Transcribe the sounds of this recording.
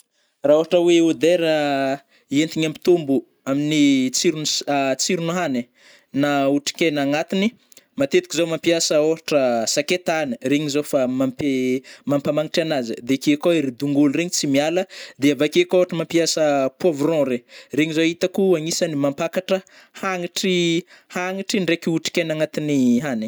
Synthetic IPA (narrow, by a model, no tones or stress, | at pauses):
raoɦaʈ͡ʂəweod̪eɾa | ient̪iɲampi̥t̪umbu | aminit͡siɾunt͡siɾunuɦane | nauʈ͡ʂi̥kʲenaŋat̪ini | mat̪et̪i̥kizowmampiasəoɾaʈ͡ʂəsaket̪anəɾeɲizofamampemampamaŋiʈ͡ʂanazə̰d̪ekekoeɾid̪uŋɡulreɲit͡simialəd̪eavakekoɦaʈ͡ʂəmampiasəpuovɾɔ̃ɾereɲizoit̪akuaŋisanimampakaʈ͡ʂə | haŋiʈ͡ʂihaŋiʈ͡ʂiɳɖ͡ʐekiuʈ͡ʂi̥kʲenaŋat̪iniɦane